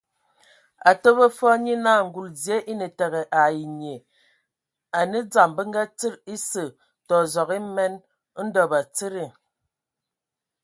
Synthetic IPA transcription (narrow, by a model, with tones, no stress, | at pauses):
a˨tə˦bə˦fɔ˦ɲi˦na˦˨ŋ̩˨ɡu˨lzje˦ʔi˦nə˨te˨ɣe˨ʔa˨ji˨ɲe˨ | a˨nə˦d͡za˨mbə˦ŋɡa˦t͡si˦ɾi˦sə˨ | tɔ˨zɔ˨ɣi˦mɛ˦n˦ | n̩˦dɔ˨ba˨t͡si˦ɾi˦˨